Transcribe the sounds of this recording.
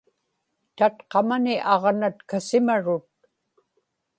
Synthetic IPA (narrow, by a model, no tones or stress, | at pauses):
t̪at̪qɑmanɪʔɑʁnat̪kasɪmaɻʊt̪̚